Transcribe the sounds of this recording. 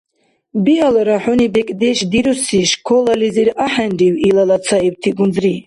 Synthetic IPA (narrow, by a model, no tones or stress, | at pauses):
bialɾaħunibɛkʼd̪ɛʃd̪iɾusiʃkʰɔlaliziɾaħɛndiwilalasʰaiw̚t̪ʰiɡund͡zɾi